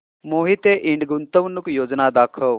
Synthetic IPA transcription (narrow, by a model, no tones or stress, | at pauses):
moːɦit̪eʔiɳɖɡunt̪əʋnukjoːd͡ʒnad̪aːkʰəʋ